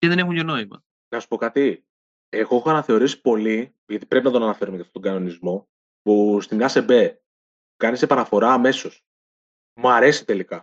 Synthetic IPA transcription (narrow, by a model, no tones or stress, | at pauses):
ceðe̞ne̞xuncono̞imɐ̰ | nɐsu̥po̞kɐt̪i | exo̞exoɐnɐθe̞o̞ɾisi̥po̞li | ʝɐt̪i̥pɾepinɐt̪o̞nɐnɐfe̞ɾumecɐft̪ot̪oɡɐno̞nizmo̞ | pust̪imɲɐse̞be̞ | kɐnisepɐnɐfo̞ɾɐːme̞so̞s | mɐɾe̞si̥t̪e̞likɐ